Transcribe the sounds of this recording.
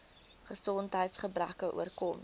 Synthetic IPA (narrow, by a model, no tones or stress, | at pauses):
χəsɔntɦəjtsχəbrækəʔṵərkɔm